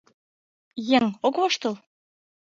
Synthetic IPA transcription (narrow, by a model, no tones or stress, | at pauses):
jeŋokβɤʃt̪ɤ̆lˠ